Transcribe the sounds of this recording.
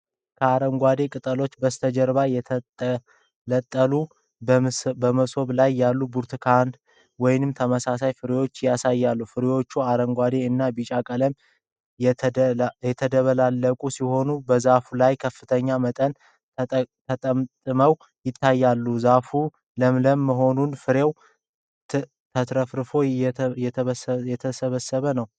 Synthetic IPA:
kʰəaɾəŋɡʷad̪e̞kʼɨt̪ʼəlo̞t͡ʃːbəst̪ʰəd͡ʒəɾβajɛ | lət̪ʼːəlu | bəməsʼo̞βlajːalːubuɾt̪ʰkʰand̪ | wɔjɪnɨmt̪ʰəməsasajfɨɾjo̞t͡ʃːjasajːalːufɨɾijo̞t͡ʃːuaɾəŋɡʷad̪e̞ɨnːabit͡ʃʼakʼələm | jɛt̪ʰəd̪əβəlalːəkʼusiho̞nubəzafulajkʰəfːɨt̪ʰəɲːamət̪ʼən | t̪ʰət̪ʼəmt̪ʼɨməw | jɪt̪ʰːajːalːuzafu | ləmləmːəɦo̞nunfɨɾew | t̪ʰət̪ɾəfɾɨfo̞jɛjɛt̪ʰəsəβəsːəβənəw

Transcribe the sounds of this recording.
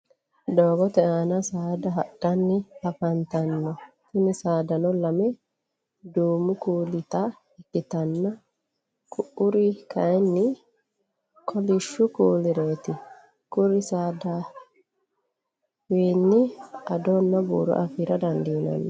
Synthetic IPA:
d̪oːɡɔt̪ɛaːnɐsaːd̪ɐɦɐɗɐnːɪɐfɐnt̪ɐnːɔsɪnɪsaːd̪ɐnɔlɐmɛ | d̪uːmʊkuːlɪt̪ɐ | ɛkːɪt̪ɐnːɐ | kʰʊʔʊɾɪkʰɐjnːɪ | kʰɔlɪʃːʊkuːlɪɾeːt̪ɪ | kʊɾɪsaːd̪aː | wiːnːɪɐd̪ɔnːɐbṵːɾɔ̰ʔɐfiɾɐd̪ɐnd̪iːnɐ̰nːɔ

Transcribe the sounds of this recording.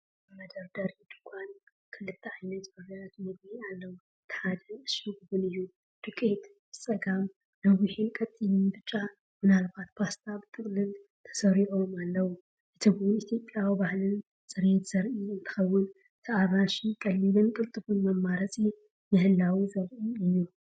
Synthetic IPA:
mɐd̪ɐɾd̪ɐɾid̪̥ɨkʷʼan | kʰɨlɨt̪ʰːɐʕajnɐt̪bɐɾɐɾɐt̪mɨd̪bialːɐwu | t̪ʰħad̪ɐnɨʃiɡbɨnɨjːu | d̪̥ɨkʼːet̪ | bɨt͡sʼɐɡam | lɐβuħinkʼɐt̪ʼːilɨnbɨt͡ʃʼːa | mɨnalbat̪̚pʰast̪ʰabɨt̪ʰʼɨkʼlɨl | t̪ʰɐ̥sɐɾiʕomalːɐwu | ʔɨt̪ʰɨɡunit̪ʰjo̞pʼjawibahlɨn | sʼɨɾet̪z̥ɐɾʔiɨnt̪ʰɨ̥xɐwːʊn | t̪ʰɐaɾaʃikʼɐlːibɨnkʼɨlt̪ʼɨfunmɐmːaɾɐt͡sʼi | nɨhɨlːawizɐɾʔiɨjːu

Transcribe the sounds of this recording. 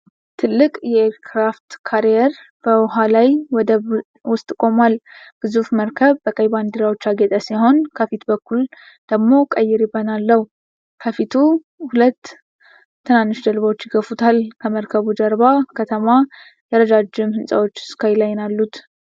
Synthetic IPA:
t̪ʰɨlːɨkʼjɛeɾkʰɾaft̪kʰaɾijɛɾ | b̥əwʊɦalajwɔd̪ə | wʊst̪ʼkʼo̞malɡ̥ɨzufməɾkʰəβbəkʼəjband̪iɾawo̞t͡ʃːaɡet̪ʼəsiho̞nkʰəfit̪bəkʰːul | d̪̥əɡmo̞kʼəjːɪɾɪbːənalːəhu | kʰəfit̪ʰu | hulət̪ʰː | ɨnanːɨʃd̪əlβawot͡ʃːjɪɡəfut̪ʰalkʰəməɾkʰəβud͡ʒəɾbakʰət̪ʰəma | jɛɾəd͡ʒ̪ad͡ʒːɪmhɨnsʼa̰wo̞t͡ʃːɪ̥skʰajlajnalːut̪

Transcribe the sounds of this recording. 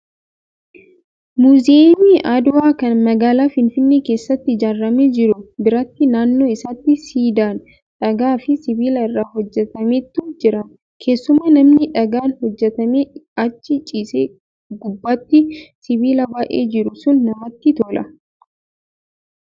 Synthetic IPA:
muːzemiʔad̪ʊwaːkɐnmɐɡaːlaːfɪnfɪnːeːke̞ːsːɐt̪ːɪd͡ʒaːrːɐmeːd͡ʒɪɾʊbɪɾɐt̪ːɪnaːnːo̞ːɪsaːt̪ːɪsiːd̪aːn | ᶑɐɡaːfɪsɪbiːlɐɪrːaːhɔd͡ʒːɛt̪ɐmeːt̪ːʊd͡ʒɪɾɐn | kʰe̞ːsːʊmɐnɐmnɪᶑɐɡaːnhɔd͡ʒːɛt̪ɐmeːɐt͡ʃːɪt͡ʃʼiːseː | ɡʊbːaːt̪ːɪsɪbiːlɐbaːʔḛːd͡ʒɪɾʊsʊnːɐmɐt̪ːɪt̪oːlʔɐ̰

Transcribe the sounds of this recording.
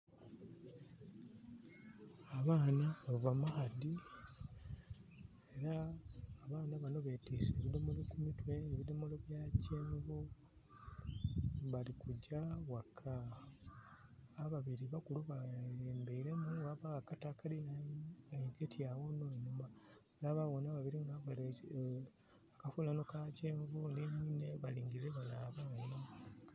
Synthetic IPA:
aβaːnaauvamahadi | eɾaː | βaːnaβano̞βe̞tiːseːβido̞molokumitwe̞ːβido̞moloβjaːceːŋɡo | βalikuɟawakʰːa | βaβiɾiβakuluβaeːmbeiɾenuwaβaakatakalinaiɡetjawonoenumaβalaβawonaβaβiɾiŋɡaβae | akafulano̞kaceːɱvuneɲineβaliːŋɡiɾeβalaβaβaina

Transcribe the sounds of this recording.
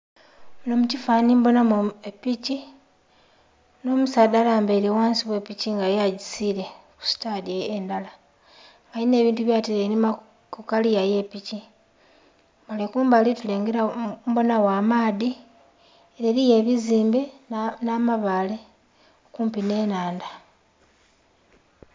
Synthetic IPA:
munomucifaːnimbo̞namoepici | no̞ːmusaːdalaːmbeliwaːnsiβwe̞piciŋɡajaɟisiɾe̞ | ku̥si̥tadjeːndala | ŋɡajine̞ːβiːntuβjaːtilenima | kukalijaje̞pici | malekuːmbalituleːŋɡeɾambo̞nawaːmaːði | eɾeɾije̞βiziːmbenamaβaːle̞ | okuːmpine̞ːnaːnda

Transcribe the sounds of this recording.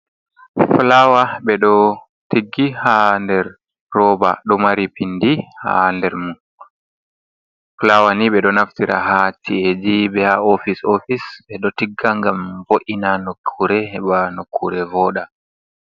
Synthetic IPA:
flawaɓɛɗɔ | tiɡːihandɛɾː | ɔːba̰ɗɔmaɾipindiha̰ndɛɾmu | flawaniɓɛɗɔnaftiɾa̰ɦatied͡ʒiɓɛhaofisofisɓɛɗɔtiɡːaŋɡamvoʔinanokʰːuɾɛhɛɓanokʰːuɾɛvɔːɗa

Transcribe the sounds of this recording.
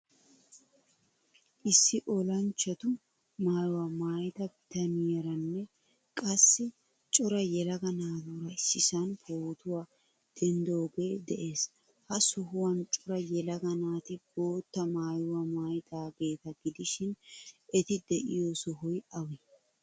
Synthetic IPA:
ʔɪsːɪʔɔlɐnt͡ʃːɐt̪ʊ | maːjʊwamaːjt̪ʼɐbɪt̪ɐnɪjɛɾɐnːɛ | kʼɐsːɪ | t͡ʃʼɔɾɐjɛlɐɡɐnaːd̪uːɾɐɪsːɪsɐnpʰoːt̪ʊwaː | d̪̥ɛnd̪oːɡe̞ːd̪ɛʔeːs | hɐsɔɦʊwɐnt͡ʃʼɔɾɐjɛlɐɡɐnaːt̪ɪbo̞ːt̪ːɐmaːjʊwɐmaːjt̪ʼaːɡe̞ːt̪ɐɡɪd̪ɪʃɪnʔɛt̪ɪd̪ɛʔɪ̰josɔɦʊjʔɐwɛ

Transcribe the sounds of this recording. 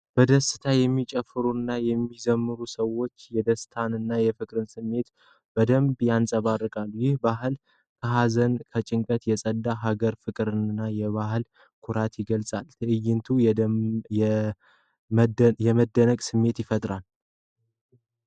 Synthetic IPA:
b̥əd̪əsɨ̥t̪ʰajɛmːit͡ʃʼɛfɨɾunːajɛmːizəmːɨɾusəwo̞t͡ʃːjɛd̪əst̪ʰanɨnːajɛfɨkʼɾɨnsɨmːe̞t̪ | b̥əd̪əmbjansʼəβarɨkʼalːjɪhbaɦɨl | kʰəɦazənkʰət͡ʃʼɪŋkʼət̪jɛsʼəd̪ːaɦaɡəɾfɨkʼɾɨnɨnːajɛβahɨl | kʰʊɾat̪jɪɡəlsʼalt̪ʰəʔɨjːɪnt̪ʰu | jɛməd̪ːənəkʼsɨmːe̞t̪jɪfət̪ʼɾal

